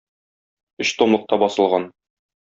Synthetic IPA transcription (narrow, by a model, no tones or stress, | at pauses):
ɵɕt̪omlˠɤ̆q̚t̪ɑbɒsɤ̆lˠʁɑn